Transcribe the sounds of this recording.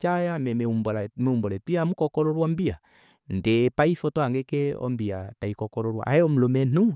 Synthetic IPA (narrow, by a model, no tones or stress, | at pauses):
t͡ʃajamɛmɛumbɔlamɛumbɔlɛtiamukɔkɔɾɔɾwɔmbia | ndepaifɔtɔaŋɡɛkɛɔ̰mbia̰taikɔkɔɾɔɾwa̰ʔa̰ɛɔm̩lomɛn̥u